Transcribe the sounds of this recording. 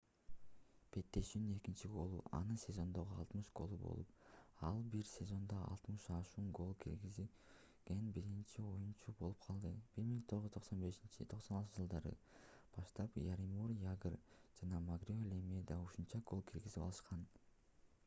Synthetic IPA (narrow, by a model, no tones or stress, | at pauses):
b̥e̞t̪ːe̞ʃynyne̞kint͡ʃiɡo̞lˠṵʔɑ̰nɯsʲe̞zo̞nd̪o̞ʁuɑ̰lˠt̪mɯʃɡ̥o̞̰lˠubo̞̰lˠupɑlˠbiɾsʲe̞zo̞nd̪oɑ̰lˠt̪mɯʃɑʃuːnɡo̞lˠkʰiɾɡizi | ɡenbiɾint͡ʃio̞junt͡ʃubo̞lˠup̚qʰɑlˠd̪ɯb̥iɾmiŋt̪ʰo̞ʁʒzy̥t̪ʰo̞qso̞nbe̞ʃint͡ʃit̪ʰo̞qsonɑlˠt̪ɯd͡ʒɯlˠd̪ɑɾɯ̰ | b̥ɑʃt̪ɑpjaɾimurjaɡrd͡ʒɑnɑmaɡrʲiolʲemʲed̪auʃunt͡ʃɑɡo̞lˠkʰiɾɡizipɑ̰lˠɯʃqɑn